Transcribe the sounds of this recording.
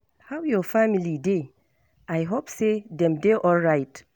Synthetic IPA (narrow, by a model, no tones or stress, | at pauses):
hawjɔfamilide | ajɦopsedɛ̃mdeʔɔlɹaɪt